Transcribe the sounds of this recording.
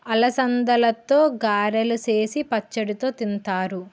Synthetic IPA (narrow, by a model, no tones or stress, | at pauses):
ɐlɐsɐnd̪ɐlɐt̪o̞ːɡaːɾɐluse̞ːsipɐt͡ʃːɐɽit̪o̞ːt̪int̪aːɾu